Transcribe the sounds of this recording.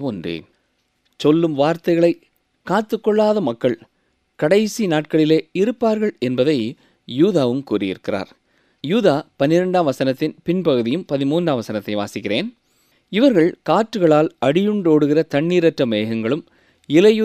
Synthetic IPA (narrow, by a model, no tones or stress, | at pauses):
pɔndrɯ̰ | sɔlːɯmʋaːɾt̪ɐɪɣɐɭɐɪ | kaːt̪ːɯkːɔɭːaːðɐmɐkːɐɭ | kɐɽɐɪsinaːʈ̚kɐɭɪleːɪɾɯpːaːɾɣɐɭɛnbɐðɐɪ | juːðaːʋɯmkuːrɪjɪ̰ɾɯkːɪra̰ːɾ | juːðaːpɐnːɪɾɐɳɖaːmʋɐsɐnɐt̪ːɪnpɪnpɐɣɯðɪjɯmpɐðɪmuːndraːmʋɐsɐnɐt̪ːɐɪʋa̰ːsɪkːɪreːn | ɪʋɐɾɣɐɭkaːʈːɯɣɐɭaːlɐɽɪjɯɳɖoːɽɯɣɪrɐt̪ɐɳːiːɾɐʈrɐmeːɣɐŋɡɐɭɯm | ɪlɐjɯ